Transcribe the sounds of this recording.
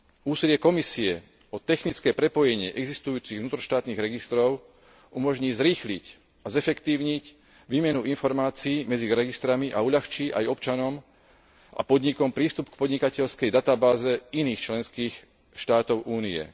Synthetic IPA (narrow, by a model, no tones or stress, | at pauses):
uːsilɪɛkɔmisiɛ | ɔt̪ɛxnit͡skɛːpɾɛpɔjɛɲɪɛʔɛɡzist̪ujuːt͡siɣvnuːt̪ɾɔʃt̪aːt̪niːɣɾɛɡist̪ɾɔʊ | ʔumɔʒɲiːzɾiːxlic | azɛfɛkt̪iːʊɲic | ʋiːmɛnuinfɔɾmaːt͡siːmɛd͡ziɾɛɡist̪ɾamiʔa̰uʎaxt͡ʃiːʔa̰jɔpt͡ʃanɔm | ʔa̰pɔd̪ɲikɔmpɾiːst̪upkpɔd̪ɲikacɛʎskɛjd̪at̪abaːzɛiniːxt͡ʃlɛnskiːx | ʃt̪aːt̪ɔʊʔuːniɛ̰